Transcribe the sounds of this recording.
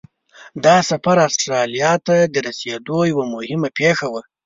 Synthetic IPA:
d̪ɑsafaɾast̪ɾɑlijɑt̪ad̪əɾased̪ojawamʊhɪmapexawa

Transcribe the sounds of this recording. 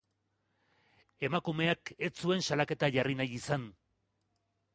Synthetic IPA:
e̞makume̞ake̞t͡sue̞nsalake̞t̪aʝarinajisan

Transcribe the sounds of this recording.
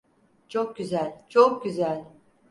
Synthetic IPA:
t͡ʃʰok̚ɟyzælʲt͡ʃʰok̚ɟyzælʲ

